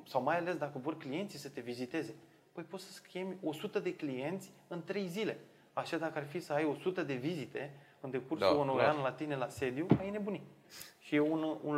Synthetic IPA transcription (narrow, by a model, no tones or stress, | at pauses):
sawmajale̞sd̪akəvo̞rklije̞nt̪sisət̪e̞vizit̪e̞ze̞ | pəjpo̞t̪sə̥skʲemʲo̞sut̪əd̪e̞klije̞nt̪sʲɨnt̪ɾe̞jzile̞ | aʃad̪akəarfisəajo̞sut̪əd̪e̞vizit̪e̞ | ɨnd̪e̞kursuonoɾeanlat̪ine̞lase̞d̪iumajene̞buni | ʃijeunṵn